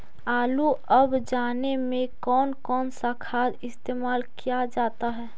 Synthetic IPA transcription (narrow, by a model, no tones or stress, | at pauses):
aːluəbd͡ʒaːnemẽkɔːnkɔːnsakʰaːd̪ɪst̪eːmaːlkijad͡ʒaːt̪aɦɛː